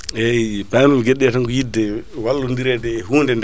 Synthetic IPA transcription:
ɛpamumɡeɗɛataŋkɔjidːɛwalːundiɾɛdɛːɦuːndɛnd

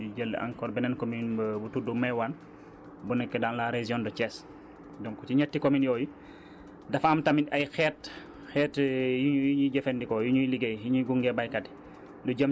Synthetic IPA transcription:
uɟəlːə̰ʔa̰ŋkɔːɾbɛnɛnkɔminbbutudumɛwan | bunɛkːɛdaːnlaɾɛziɔndɔt͡ʃɛːs | dɔŋkɔt͡ʃiɲɛtːikɔminjɔːju | dɐfɐmtɐmiɐjxɛːt̚ | xɛːtjujɲiɟɛfɛndikɔjuɲujliɡejjuɲuɡuŋɡɛbajkɐdi̥ | duɟəm

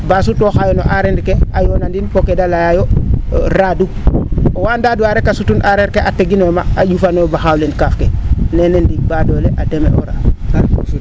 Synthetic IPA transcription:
bas̬utoxajono̰ʔaɾendkeajonandinpokedalajajoɾaduowandaduaɾekasutunʔaɾeɾkeʔateɡinomaaɟufanobaxawlenkafkenenendiɡbadoːleʔademḛʔo̰ɾa̰

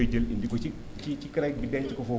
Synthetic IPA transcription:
d͡ʒelindikot͡ʃi | t͡ʃit͡ʃikiɾajk̚bidɛt͡ʃikofo

